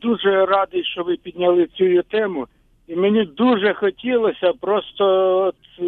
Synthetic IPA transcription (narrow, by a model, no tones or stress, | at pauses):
d̪uʒɛrɑd̪ɪjʃt͡ʃɔʋɪpʲid̪ʲnʲɐlˠɪt͡sʲujʊt̪ɛmʊ | imenʲid̪uʒɛxɔtʲilˠɔsʲɐpɾɔst̪ɔɔt̪